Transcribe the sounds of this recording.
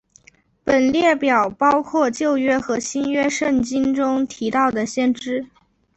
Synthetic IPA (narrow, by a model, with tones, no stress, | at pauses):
pə˨˩nljɛ˥˩pjɑ˨˩ʊpɑ˥ʊkʰwɔ˥˧t͡ɕjo˥˩ʊɥɛ˥xɤ˧˥ɕi˥nɥɛ˥ʂə˥˩ŋt͡ɕi˥nʈ͡ʂʊ˥ŋt̪ʰi˧˥t̪ɑ˥˩ʊd̪ə˩ɕjɛ˥˩nʈ͡ʂɻ̩˥